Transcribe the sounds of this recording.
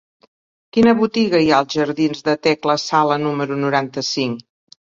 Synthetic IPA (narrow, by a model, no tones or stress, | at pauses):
kinəβut̪iɣəiaəlˠzʒəɾðinzðət̪ɛkləsalənuməɾunuɾant̪əsiŋ